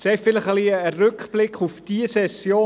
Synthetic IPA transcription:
sɛtfɪləχəliəərʏkχb̥lɪkχufd̥iəsɛsjoː

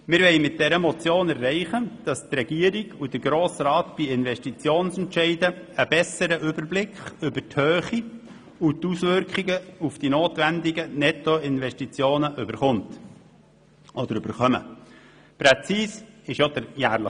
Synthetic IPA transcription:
mɪɾʋɛɪmɪt̚d̥ɛɾəmɔt͡sjoːnɛrːɛɪχəd̥ɑst̪rɛɡ̥iːəɾiɡud̥əɾɡɾoːsrɑːtb̥iɪnʋɛʃtit͡sjoːnsɛntʃɛɪdə | əb̥ɛsəɾəʔʏbəɾblɪkχʏbəthøːχi | utusʋʏɾkχiɡəufd̥inoːt̪ʋænd̪ɪɡənɛtoɪnʋɛʃtit͡sjoːnəʔʏbəɾχʊnt | ʔɔd̪əɾʏb̥əɾχœmə̰ | pɾɛt͡siːsɪʃjod̥̪əɾjæːɾlə

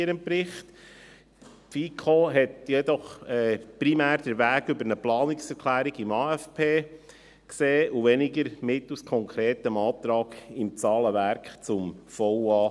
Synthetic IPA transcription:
ɪɾəmpɾɪχt | fiːkʰoːɦɛtjɛdɔχɛpɾimæːɾd̥əɾʋæːɡʏbəɾnəplɑːnɪksɛɾkʰlæːɾiɡɪmɑːæfpʰeː | kseːʔuʋɛnɪɡəɾmɪtːuskʰɔŋkʰɾɛːtəmɑːt̪ɾɑːɡ̥ɪmt͡sɑːləʋæɾkχt͡sʊmfɔwɑː

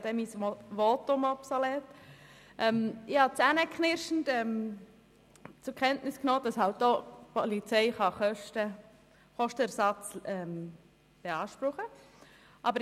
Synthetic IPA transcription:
d̥̪ɛmisʋoːtʊmɔpsɔlɛːtʔɛmɪhɑt͡sænəkχnɪɾʃn̩tɛm | t͡sʊɾkʰɛntnɪsknoːd̥ɑshɑlt̚doːpɔlit͡sɛɪχɑχœʃtə | χɔʃtəæɾsɑt͡sɛm | b̥eɑːʃpɾʊχə | ʔɑbəɾ

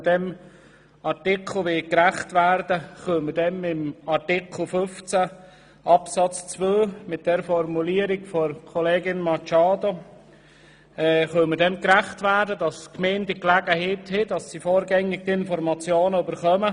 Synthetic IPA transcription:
dɛm | ɑrtɪkʰl̩ˠʋɪkɾæχtʋæɾdəχœmədɛmɪmɑɾtɪkʰl̩ˠføft͡sæ | ʔɑpsɑt͡st͡sʋøːmɪt̚d̥ɛɾfɔɾmuliːəɾɪɡfɔɾkʰoleːɡɪnmɑt͡ʃɑːdo | ɛχœmədɛmkɾæχtʋæːɾdədɑskmeːndɪklæɡ̥əɦeːthɪd̥ɑsːifoːɾɡɛŋːɪk̚tɪnfɔɾmɑt͡sjoːnəybəɾχœmə

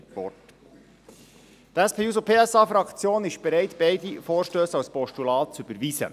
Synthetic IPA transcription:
vɔ̰t | tɛspʰeːuːsopʰeːɛsɑːfɾɑkt͡sjoːnɪʃb̥ɛɾæɪtb̥eɪdifoːɾʃtøːsawspɔʃtulɑːt̚t͡sybəɾviːsə̰

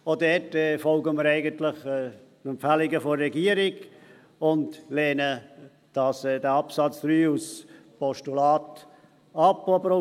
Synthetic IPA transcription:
odɛtɛfɔlɡəməɾɛɪɡəntlɪχɛnɛmpfælɪɡəfoːɛɡiəɾɪɡ | ʊndlɛːnə | d̥ɑsɛdɛɑpsɑt͡sd̥ɾyːus | pɔʃtulɑːt | ɑpɔbəɾo

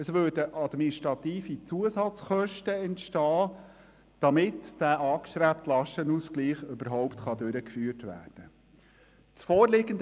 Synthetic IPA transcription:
əsʋøːɾdəʔɑd̪miniʃtɾɑt̪iːfit͡suəsɑt͡sχœʃtəɛntʃtɑː | d̪̥ɑmɪtd̥æːʔɑːkʃtɾæp̚t̪lɑʃənuskliːχʏbəɾɦɔʊptχɑd̪øɾəkfyːərtʋæ̰ːrd̥ə | t͡sfɔːɾlɪɡənd

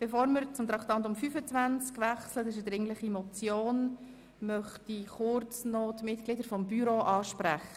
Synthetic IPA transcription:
b̥efoːɾməɾt͡sʊmt̪ɾɑkt̪ɑnt̪̬ʊmfyfət͡svænt͡skʋæχslətɪʃ̬ədɾɪŋləχimɔt͡sjoːn | mœχtiχʊɾt͡snɔtmɪtklɪdəɾfɔmbyɾoʔɑːʃpɾæχə̥

